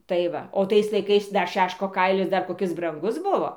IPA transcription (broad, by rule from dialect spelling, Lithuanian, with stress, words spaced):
tɐɪ ˈʋɐ oː ˈtɐɪs lˠɐɪˈkɐɪs ˈdɐr ˈʃʲæːʃkoː ˈkɐɪlʲɪs ˈdɐr koːˈkʲɪs brɐŋˈɡʊs ˈbʊʋoː